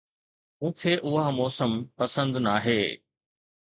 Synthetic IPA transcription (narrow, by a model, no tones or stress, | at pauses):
ũːt̪ʰeːʔʊɦamɔːsəmpɐsə̃nd̪naːɦeː